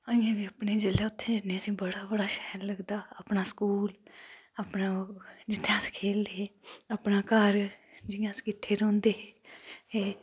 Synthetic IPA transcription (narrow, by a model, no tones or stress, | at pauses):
əɪãːʋiːəpɳeːd͡ʒɪleːʊt̪ʰːẽːd͡ʒɪnːẽːəsĩːbəɽaːbəɽaːʃɛːɾləɡd̪aːəpɳaːskuːləpnaːd͡ʒɪt̪ʰːãːskʰeːld̪eːeːəpnaːkəɾd͡ʒɪãːskɪʈʰːeːɾõːnd̪eːɦeːeː